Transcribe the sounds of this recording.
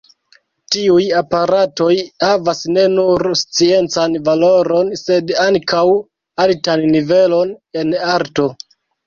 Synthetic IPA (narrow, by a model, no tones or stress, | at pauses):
tiujapaɾato̞jhavasne̞nuɾst͡sie̞nt͡sanvalo̞ɾo̞nse̞daŋkʰaw | altanːive̞lo̞ne̞naɾto̞